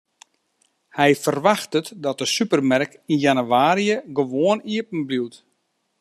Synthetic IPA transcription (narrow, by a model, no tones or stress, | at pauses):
hɛjfərʋaxtətdɔt̚dəsypərmɛrkinjanyʋaːɾijəɡəʋoəniəpn̩bliwt